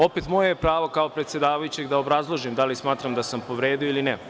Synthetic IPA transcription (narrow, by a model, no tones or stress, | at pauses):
o̞pet̪mo̞jajepɾaːʋokaopɾet̪sjed̪aːʋajut͡ɕeɡd̪aobɾazlˠoʒimd̪alismaːt̪ɾamd̪asampo̞ʋɾeːd̪ioilinɛ